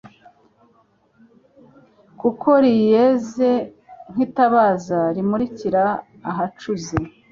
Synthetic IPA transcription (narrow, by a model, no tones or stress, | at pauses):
kukʰo̞ɾijeze | ŋ̥hitaβaːzaɾimuɾiciɾaː | ɦat͡ʃuze